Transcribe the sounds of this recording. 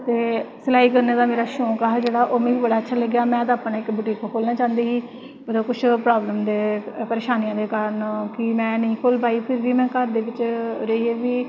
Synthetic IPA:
t̪eːsəlaːiːkəɾneːd̪aːmeːɾaːʃõːkaːɦd͡ʒeːɽaːʔoːmẽːbəɽaːətːʃʰaːləɡjaːmɛ̃ːt̪̬aaːpːnãːɪkbuʈiːkakʰoːlnãːt͡ʃãːnd̪eːɦiː | bəd̪oːkʊt͡ʃʰpɾaːbləmd̪eːpəɾeːʃaːnijãːd̪eːkəɾənkɪmɛ̃ːnəĩːkʰoːlbaːiːpʰɪɾʋiːmɛ̃ːkəɾd̪eːʋɪt͡ʃɾəieːʋiː

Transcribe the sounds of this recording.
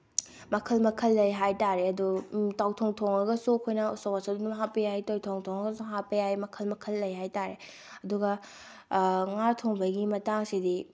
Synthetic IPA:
mɐkʰɐlmɐkʰɐlːɐjɦajtaɾeɐdutawtʰoŋtʰoŋɐɡɐsukʰojnɐusowasɐdunmɦapijajtojtʰoŋtʰoŋɐɡɐsuɦapɐjajmɐkʰɐlmɐkʰɐlːɐjɦajtaɾe | ɐduɡɐ | ŋaɾtʰoŋbʱɐɡimɐtaŋsidi

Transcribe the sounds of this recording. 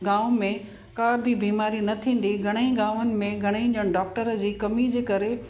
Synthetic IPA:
ɡãːʊmẽ | kaːɾbʱibiːmaːɾinɐt̪ʰĩːn̆d̪iɡʱɐɽ̃ĩɡaːʋənɪ̆mẽɡʱɐɽ̃eĩːɲʄəɽ̃ɖɔːk̚ʈəɾəd͡ʑiːkɐmid͡ʑeːkɐɾe

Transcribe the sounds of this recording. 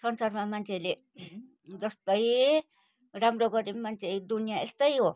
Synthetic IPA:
sʌnsarmamant͡sʰele | d͡zʌst̪ʌj | ramroɡʌɾemant͡sʰed̪unijaest̪ʌjɦo

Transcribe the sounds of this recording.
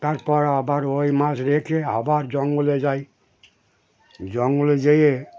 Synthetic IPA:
t̪aɾpɔɾabaɾojmasɾekʰeabaɾd͡ʒɔŋɡuled͡ʒaj | d͡ʒɔŋɡuled͡ʒeje

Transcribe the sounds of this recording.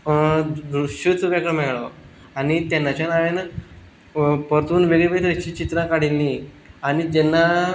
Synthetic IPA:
d̪ɾuɕət͡subakəmɛɭɭɔ | añit̪ɛnːat͡ɕjanaʋen | pəɾt̪uːnʋeɡiʋeit̪et͡ɕiːt͡ɕit̪ɾakaɽilːi | añit̪ɛnːa

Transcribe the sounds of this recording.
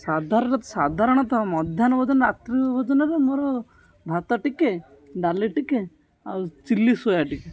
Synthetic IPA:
sad̪ʱaɾɔɾɐt̪sad̪ʱaɾɔɳ̃ɔt̪amɔd̪ʱjanbɔd͡ʒɔnɾat̪ɾiʋɔd͡ʒɔnɐɾemoɾo | b̪ʱat̪ɔʈike | ɖaliʈike | a̰t͡ʃilːisojaʈike

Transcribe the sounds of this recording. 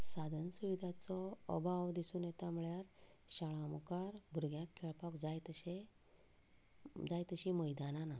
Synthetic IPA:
sad̪ʱənsuʋid̪ʱat͡sɔə̰bʱaʋd̪isuːnjet̪amuɭjaɾ | ɕaɭãmukaɾbʱuɾɡjãkʰːeɭpɔkd͡zajt̪əɕe | d͡zajt̪əɕiməjd̪anana

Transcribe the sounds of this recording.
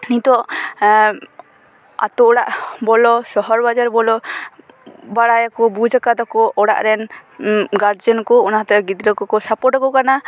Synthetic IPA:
nit̪ɔʔ | a̰t̪ɔɔɽaʔbɔlɔsɔɦɔɾbad͡ʒaɾbɔlɔ | baɽajakɔbud͡ʒʱakad̪ɔkɔʔɔɽa̰ʔɾɛn | ɡaɾd͡ʒɔnkɔɔnaɦat̪ɛɡid̪ɾəkɔkɔsapɔʈɔkɔkana

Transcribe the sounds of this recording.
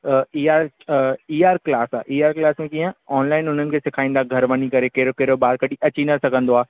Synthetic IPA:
iːaːɾ | iːaːɾklaːsa̰ːʔiːaːɾklaːsmẽkiːɦə̃ɔːnlaːɪnʊn̤ənɪ̆kʰeːsɪkʰaːĩːnd̪aɡʱɐɾʋɐnikɐɾekeɾokɐɾobaːɾkɐɗiʔɐt͡ɕinəsɐɡʱə̃nd̪oaː

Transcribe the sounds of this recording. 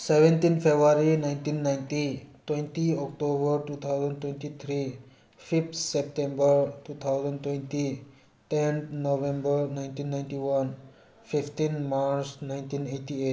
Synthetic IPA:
seʋẽnʈĩnpʰebɾaɾinaɪ̃nʈĩnːaɪ̃nʈitwẽnʈiɔk̚ʈobəɾʈuːt̪ʰaʊzə̃nɖtwẽnʈit̪ʰɾi | pʰipt̪sep̚ʈẽmbəɾʈuːt̪ʰaʊzə̃nɖtwẽnʈi | ʈent̪noʋẽmbəɾnaɪ̃nʈĩnːajnʈiwʌn | pʰipʰʈ̪inmaɾsnaɪ̃nʈĩneʈie

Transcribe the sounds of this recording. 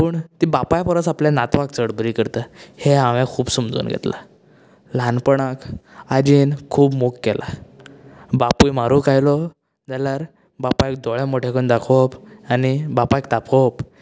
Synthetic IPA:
pəɳt̪ibapajpəɾət͡sapljanat̪ʋak̚t͡səɽbɾiːkəɾt̪əheaʋãkʰuːbsumd͡zṵːnɡʱɛ̰t̪la̰ | lanpəɳakad͡ʑiːnkʰuːbmukːɛlʔa̰ | bapujmaɾukajlɔ | d͡zalaɾ | bapaek̚d̪ɔɭjãmoʈʰekənd̪akʰopanibapajkt̪apop

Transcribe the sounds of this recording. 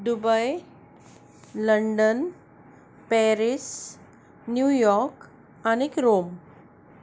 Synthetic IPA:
d̪ubəj | ləɳɖən | pɛɾis | njujɔɾk | anikɾom

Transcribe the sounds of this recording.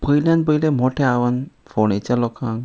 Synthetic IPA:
pəjljãnbəjlẽmoʈʰeaʋənfonet͡ɕjalɔkʰãŋ

